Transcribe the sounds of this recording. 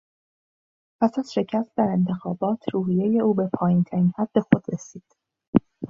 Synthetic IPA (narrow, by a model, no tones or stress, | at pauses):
pʰæsæz̥ʃe̞cʰæst̪̚d̪æɾe̞nt̪ʰe̞xɒːbɒːt̪ʰɾuːɦije̞je̞uːbe̞pʰɒːjint̪ʰæɾinhæd̪̥ːe̞xo̞d̪̥ɾesiːd̪̥